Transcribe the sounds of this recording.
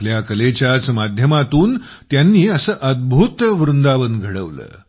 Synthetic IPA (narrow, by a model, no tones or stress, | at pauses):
ljakəlet͡ɕjat͡smad̪ʱjəmat̪uːn | t̪janːiːəsəːʔəd̪̚bʱut̪ʋɾund̪aʋənɡʱəɽəʋlə̰ː